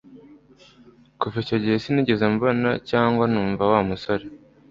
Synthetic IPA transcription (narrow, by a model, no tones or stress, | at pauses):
kuvicoɟihesiniɟezamuβonacaːŋɡwanuːɱvawaːmusoɾe